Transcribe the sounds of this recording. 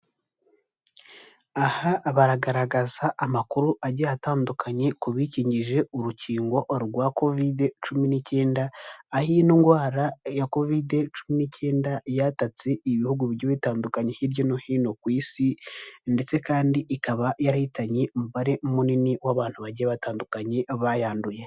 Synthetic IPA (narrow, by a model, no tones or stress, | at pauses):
ahaʔːβaɾaɡaɾaɡazaʔamakuɾuʔaɟiataːndukʰaɲe̞kuβiciːɲɟiʒe̞uɾuciːŋɡo̞ʔɾɡwako̞videt͡ʃuminice̞ːndaːhinoŋɡwaːɾajako̞vide̞t͡ʃuminicʰe̞ːndajatat͡seiβihuɡuβiɾjoβitaːndukaɲe̞hiɾjo̞nohiːno̞kwiːsinde̞t͡se̞kaːndiʔikaβajaɾahitaɲe̞omuβaɾe̞muniniwaβaːn̥huβaɟiaβataːndukaɲe̞βajaːnduje̞